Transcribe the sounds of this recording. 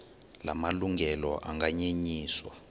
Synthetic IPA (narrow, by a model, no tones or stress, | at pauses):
lamaluŋɡɛlɔʔaŋɡaɲeɲiːswa